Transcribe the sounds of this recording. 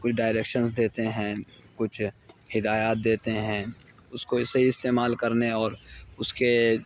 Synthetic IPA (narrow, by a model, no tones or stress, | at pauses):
kʊt͡ʃʰɖaːɪɾeːkʃənsd̪eːt̪eɦɛ̃kʊt͡ʃʰhɪd̪aːjaːt̪̚d̪eːt̪eɦɛ̃ː | ʊskoɪseɦiɪst̪eːmaːlkɐɾneɔːɾʊske